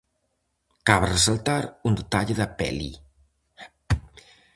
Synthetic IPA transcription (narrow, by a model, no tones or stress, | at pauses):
kaβresalt̪aɾund̪et̪aʎeðapɛ̰lḭ